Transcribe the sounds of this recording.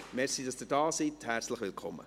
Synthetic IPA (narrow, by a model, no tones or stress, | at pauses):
mɛɾsid̥ɑsd̥̪ɪdɑːsithæɾt͡sləχʋɪlkʰɔmːə̰